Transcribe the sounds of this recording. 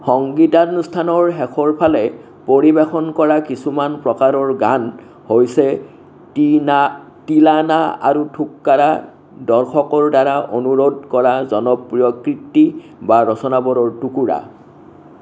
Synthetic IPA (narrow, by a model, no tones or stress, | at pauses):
xɔŋɡitanstʰanɔɹɦɛxʰɔɹpʰalɛ | poɹibexɔnkɔɹakisumanpɹɔkaɾɔɹɡan | hojsɛ | tilanaa̰ɹutʰukːaɹa | dɔɹxɔkɔɹdaɹaʔonuɹodkɔɹazɔnɔpɹijɔkɹitːibaɹɔsɔnabɔɾɔɹtukuɹa̰